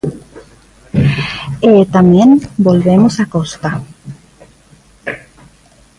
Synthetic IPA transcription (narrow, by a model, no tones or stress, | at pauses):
et̪amjẽnbolβemosakost̪a